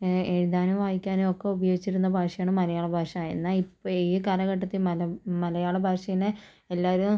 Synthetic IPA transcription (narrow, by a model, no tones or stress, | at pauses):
e̞ɻuðaːnumʋaːjikʲːaːnuokːeubɐjoːɡit͡ɕːiɾunːɐbʱaːʂɐjaːɳɨmɐlɐjaːɭɐbʱaːʂɐmaːjinːaipːoiːkɐlɐɣɐʈːɐt̪ːilmɐlɐmɐlɐjaːɭɐbʱaːʂɐjinɨ | elːaːʋɐɾum